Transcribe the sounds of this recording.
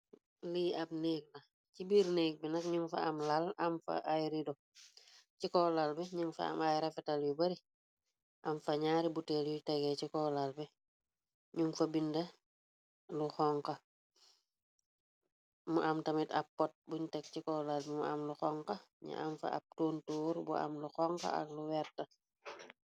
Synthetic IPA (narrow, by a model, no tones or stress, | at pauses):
liɐb̚neːk̚lɐ | cibiɾneːk̚binɐkɲuŋfɐ̰amlalamfɐ̰ʔajɾidɔ | cikɔːlalbɛɲuŋfɐ̰a̰majɾɐfɛtɐljubɐɾi | ʔɐmfɐɲaːɾibutɛljutɛɡɛcikɔlalbɛ | ɲuŋfɐbindɐ | luxɔŋkɐ | mṵʔamtɐmitɐpːɔt̚buɲtɛk̚cikɔːlalbɛmua̰mluxɔŋkɐɲḭʔa̰mfɐ̰a̰p̚toːntuːɾbṵa̰mluxɔŋkɐ̰ɐ̰kluwɛɾtːɐ